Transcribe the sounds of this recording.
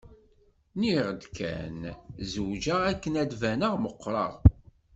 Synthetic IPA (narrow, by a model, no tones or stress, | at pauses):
niʁəd̪kʰæ̰nzuwd͡ʒæækːənæd̪vænəʁməqːɾˤɑ̰ʁ